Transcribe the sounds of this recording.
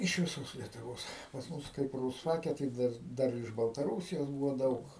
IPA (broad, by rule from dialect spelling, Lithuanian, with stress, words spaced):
ɪʃ ʋʲɪˈsoːs lʲiɛtʊˈʋoːs pɐs ˈmʊs kɐɪp ruːsˈfɑːkʲɛ tɐɪ ˈdɐr ˈdɐr ɪʃ bɐlˠtɐˈruːsʲɪjoːs ˈbuːʋoː ˈdɐʊk